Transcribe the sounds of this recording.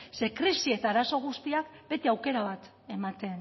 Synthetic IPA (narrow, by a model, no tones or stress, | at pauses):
se̞kɾisie̞t̪aːɾaso̞ɣ̞ust̪iakbe̞t̪eawke̞ɾaβ̞at̪ | e̞mat̪e̞n